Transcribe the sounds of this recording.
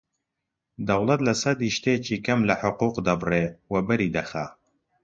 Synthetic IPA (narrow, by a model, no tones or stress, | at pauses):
d̪ɐwlˠɐt̪lɐsɐd̪iːʃt̪eːt͡ʃʰiːkɐmlɐħʊquːqd̪ɐbreːwɐbɨɾiːd̪ɐxa